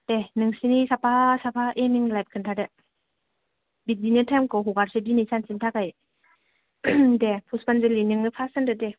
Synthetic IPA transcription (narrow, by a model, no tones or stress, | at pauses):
dɛnɯŋsinisapasapʰaʔɛmiŋlap̚kʰɯntʰadɛ | bit̚dinitʰamkɔɦukaɾsɯdinisʰant͡ɕintʰakaj | dɛpʰuspanzəlinɯŋːɯpʰasandɯdɛ